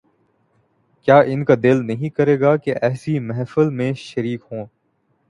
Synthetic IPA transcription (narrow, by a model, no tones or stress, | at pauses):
kjaːʔɪnkad̪ɪlnɐɦĩkɐɾeːɡaːkeʔɛːsimɛɦfəlmẽʃɐɾiːkɦõː